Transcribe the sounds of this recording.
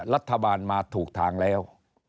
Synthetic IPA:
ɾa˦˥t̪ʰːa˧baː˧nmaː˧t̪ʰuː˨˩k̚t̪ʰaː˨˦ŋlɛː˦˥w

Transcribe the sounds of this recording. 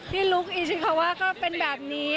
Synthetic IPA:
t̪ʰiː˥˩lu˦˥k̚ʔiː˨˧˩t͡ɕʰi˦˩kʰa˧˩waː˥˩kɔː˥˩pe˧nbɛː˨˩p̚niː˦˥

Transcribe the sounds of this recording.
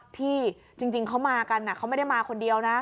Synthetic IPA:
pʰiː˥˩ | t͡ɕi˧ŋt͡ɕi˧ŋkʰa˦˥wmaː˧ka˧nʔa˨˩ka˦˥ma˥˩da˥˩jmaː˧kʰo˧ndi˧əwna˦˥

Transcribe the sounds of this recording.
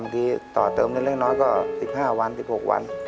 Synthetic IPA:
mt̪ʰiː˧t̪ɔ̰ː˨˩t̪ɤː˧mn˧˩˨le˥˩k̚nɔː˦˥jkɔː˥˩si˨˩p̚haː˥˩wa˧nsi˨˩p̚ho˨˩k̚wa̰˧n

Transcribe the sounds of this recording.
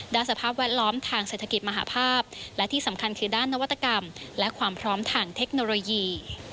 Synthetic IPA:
daː˥˩nsa˧pʰaː˥˩p̬̚wɛː˥˩t̪̚lɔː˦˥mt̪ʰaː˧ŋse˨˩t̪ʰa˧ki˨˩t̪̚ma˧ɦa̰ː˩˦pʰaː˥˩p̚lɛ˦˥t̪ʰiː˥˩sa˩˦mkʰa˧nkʰɯː˧daː˥˩nːa˦˥wa˦˥t̪ːa˧ka˧mlɛ˦˥kʰwaː˧mpʰɾɔː˦˥mt̪ʰaː˧ŋt̪ʰe˦˥k̚noː˧loː˧jiː˧

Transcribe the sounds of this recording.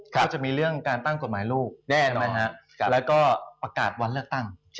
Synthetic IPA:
kʰa˦˧˥t͡ɕa˨˩miː˧ɾɯ˥˩əŋkaː˧nt̪a˥˩ŋko˨˩t̪̚maː˩˦jluː˥˩k̚nɛː˥˩a˦˧˩ɦa˦˥˧ | lɛː˦˥wkɔː˥˩pɾa˧kaː˨˩t̪̚wa˧nlɯ˥˩ək̚t̪a˥˩ŋ

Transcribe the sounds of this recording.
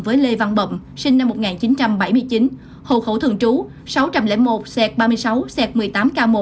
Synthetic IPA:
vəː˨˦jle˧va˧nɓə̰˧˨ŋ͡m | si˧ŋ̟na˧mːo˨˩t̚ŋaː˨˩nt͡ɕi˨˦nt͡ɕa˧mɓa˧˩jmɨ˧əjt͡ɕi˨˦n | ho̰˧˩xo̰˧˩t̪ʰɨ̰˧˨əŋt͡ɕu˨˦ | sa˨˦wt͡ɕa˧mlɛ̰˧˥mo˨˩t̚sɛ˧˥k̚ɓaː˧mɨ˧əjsa˨˦wsɛ˧˩t̚mɨ˨˩əjt̪aː˨˦mkaː˧mo˨˩

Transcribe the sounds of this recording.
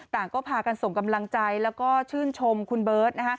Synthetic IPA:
t̪aː˨˩ŋkɔː˥˩pʰaː˧ka˧nso˨˩ŋka˧mla˧ŋt͡ɕa˧jlɛː˦˥wkɔː˥˩t͡ɕʰɯː˥˩nt͡ɕʰo˧mkʰu˧nbɤː˦˥t̪̚na˦˥kʰa˦˥

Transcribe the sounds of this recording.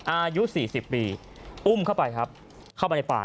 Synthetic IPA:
ʔaː˧ju˦˥siː˨˩si˨˩pːiː˧ | ʔu˥˩mkʰa˥˩wpa˧jkʰa˦˥p̚ | kʰa˥˩ma˧n˧jpa̰ː˨˩

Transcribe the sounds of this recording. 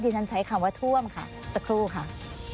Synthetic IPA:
t̪ʰiː˧t͡ɕʰa˦˥nt͡ɕʰa˦jkʰa˧˩waː˧˥t̪ʰu˥˩əmkʰa̰˥˩ | sa˧kʰɾuː˧˩kʰa˥˩ʔ

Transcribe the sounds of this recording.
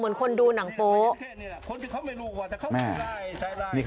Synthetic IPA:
mɯ˩˦ənkʰo˧nduː˧na˩˦ŋpoː˧˦˥ | mɛː˧˩ | niː˥˩k

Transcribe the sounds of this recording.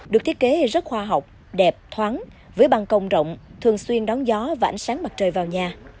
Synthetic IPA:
ɗɨ˨˩k̚t̪i˦˥t̚ke˨˦˨zə˦˥t̚xwaː˧ɦa˨˩wk͡p̚ | ɗɛ˨˩p̚t̪ʰwaː˨˦n | vəː˨˦jɓa˧˩ŋkə˧wŋ͡mzə̰˧˨wŋ͡mt̪ʰɨ˨˩əŋswi˧ənɗɔ˨˦ŋzɔ˨˦vaː˨˩ʔa˨˩ŋsaː˨˦ŋɓa˨˩t̚t͡ɕəː˨˩jvaː˨˩wɲaː˨˩

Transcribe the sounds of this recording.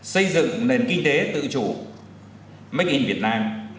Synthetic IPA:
sə˧jzɨ̰˧˨ŋne˨˩nki˧ŋ̟t̪e˨˦t̪ɨ̰˧˨t͡ɕu˧˩ | ma˦˥k̟̚ʔi˧vi˨˩ət̚naː˧m

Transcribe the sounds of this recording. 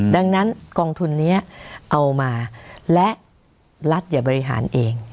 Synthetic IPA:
da˧ŋna˦˥nkɔː˧ŋt̪ʰu˧nːi˦˥ɐʔa˧wmaː˧lɛ˦˥ʔ | la˦˥t̪̚jaː˨˩bɔː˧ɾi˦˥ɦa̰ː˩˦nʔeː˧ŋ

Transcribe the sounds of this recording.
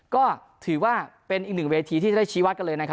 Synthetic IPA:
kɔː˥˩ | t̪ʰɯː˩˦waː˥˩pe˧nʔiː˨˩k̚nɯ˨˩ŋweː˧t̪ʰiː˧i˥˩t͡ɕa˨˩da˥˩jt͡ɕʰiː˦˥wa˦˥t̪̚ka˧lɤː˧jna˦˥kʰa˦˥

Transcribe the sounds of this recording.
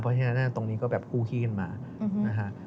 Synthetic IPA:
pʰɔ˦˩t͡ɕʰa˧na˦˥nːa˥˩t̪o˧ŋniː˦˥kɔː˥˩bɛː˨˩p̚kʰuː˥˩k̪ʰiː˥˩kʰa˧nmaː˧ | na˦˥kʰa˦˥ʔ

